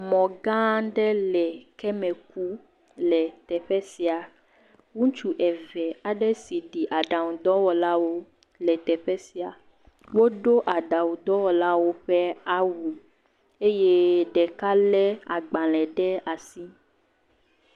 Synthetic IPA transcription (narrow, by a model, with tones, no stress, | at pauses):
mɔ̃˨ɡã˦ɖɛ˦lɛ˨kɛ˦mɛ̃˨k̚u˦ | lɛ˨t̪ɛ˨ɸɛ˦si˨a˨ | wũ˦t͡ʃu˨ʔɛ˨vɛ˨a˨ɖɛ˦si˨ɖi˨ʔa˨ɖa˨wũ˨d̪ɔ˦wɔ˨la˦wo˦ | lɛ˨t̪ɛ˨ɸɛ˦si˨a˨ | wo˦ɖo˦ʔa˨ɖa˨wu˨d̪ɔ˦wɔ˨la˦wo˦ɸɛ˦a˦wu˨ | e˦je˦ɖɛ˨ka˦lɛ˦a˨ɡ͡bã˨lɛ˨ɖɛ˦a˨si˦